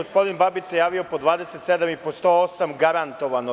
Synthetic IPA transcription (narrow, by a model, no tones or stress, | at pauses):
ospo̞d̪inbabit͡ʃ̪jejaːʋio̞pod̪ʋaːd̪eset̪sed̪amipost̪oosamɡaɾant̪o̞ʋano